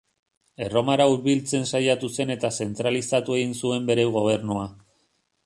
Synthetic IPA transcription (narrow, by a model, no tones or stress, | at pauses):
e̞ro̞maɾauɾβilt͡se̞nsajat̪use̞ne̞t̪ase̞nt̪ɾalisat̪ue̞ɣinsue̞mbe̞ɾe̞ɣo̞β̞e̞ɾnua